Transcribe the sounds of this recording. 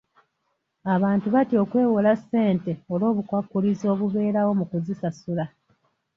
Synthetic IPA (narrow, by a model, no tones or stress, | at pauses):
aβaːntuβatio̞ːkwe̞ːwolase̞ːnte̞olo̞ːβukwakːulizo̞ːβuβe̞ːɾawo̞mukuzisasula